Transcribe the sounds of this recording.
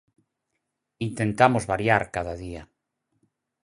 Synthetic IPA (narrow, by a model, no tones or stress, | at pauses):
int̪ent̪amozβaɾjaɾkaðaðia